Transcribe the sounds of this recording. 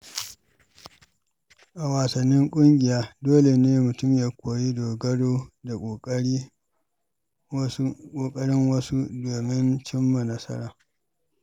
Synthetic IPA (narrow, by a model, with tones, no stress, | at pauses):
ʔa˨waː˨sɐ˨nːɪ˦ŋkʷʼʊ˦ŋɡʲɪ˨jaː˦doː˦le˨neː˦mʊ˨tʊ˦mjaː˦kʷoː˨ji˦doː˨ɡɐ˦ɽoː˦da˨kʷː | kʼoː˨kʼɐ˦ɽɪ˦ŋwɐ˦su˦doː˨mɪ˦nt͡ʃɪ˦mːa˨nɐ˦sɐ̰˦ɾaː˨